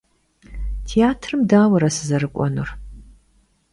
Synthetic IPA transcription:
tʰijaːtʰrɨmdaːwɐɾɐsɨzɐrɨkʷʼɔ̰nṵr

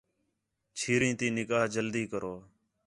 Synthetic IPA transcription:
t͡ʃʰiːɾĩːt̪ĩːnɪkaːɦd͡ʒəld̪iːkəɾoː

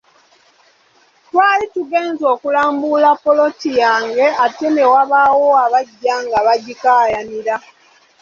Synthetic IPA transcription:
twaːlituɡe̞ːnzo̞ːkulaːmbulapo̞lo̞tijaːŋɡe̞ate̞newaβawo̞aβaɟːaŋɡaβaɟikajaniɾa

